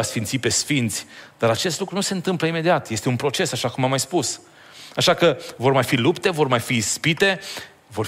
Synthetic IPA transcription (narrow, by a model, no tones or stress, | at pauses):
asfint̪sipe̞sfint̪sʲd̪aɾat͡ʃe̞st̪lukɾunuse̞ɨnt̪ɨmpləime̞d̪iat̪je̞st̪e̞unpɾo̞t͡ʃe̞saʃakumamːajspus | aʃakəvo̞rmajfilupt̪e̞vo̞rmajfispit̪e̞ | vo̞r